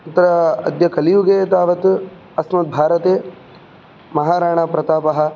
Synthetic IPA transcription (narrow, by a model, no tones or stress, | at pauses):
ut̪ːɐɾɐɐd̪jɐkɐlijuɡeːt̪aːʋɐt̪ | ɐsmɐt̪̚bʱaːɾɐt̪eː | mɐɦaːɾaːɳaːpɾɐt̪aːpɐɦɐ̆